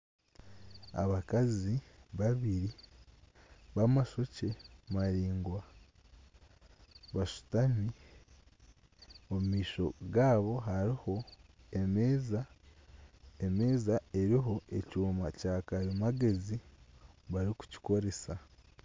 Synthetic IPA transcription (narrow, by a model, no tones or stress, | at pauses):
a̰βakaziβaβiɾi | βamaʃo̞ce̞maɾiːŋɡwa | βaʃu̥tami | o̞mumiːʃo̞̰ɡaːβo̞ɦaɾiho̞ | emeːza | eme̞ːzae̞ɾiɦo̞ecuːmacaːkaɾimaɡe̞zi | βaɾiku̥ci̥ko̞ɾe̞sa